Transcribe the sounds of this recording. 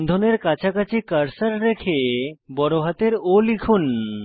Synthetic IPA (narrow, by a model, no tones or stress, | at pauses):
nd̪ʱɔneɾkat͡ɕʰakat͡ɕʰikəɾsəɾːekʰebɔɾoɦat̪eɾolikʰun